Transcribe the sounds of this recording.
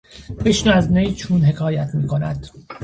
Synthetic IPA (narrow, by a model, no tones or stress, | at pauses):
beʃnæznejt͡ʃʰuːnɦe̞kʰɒːjæt̪ʰmiːkʰo̞næd̪̥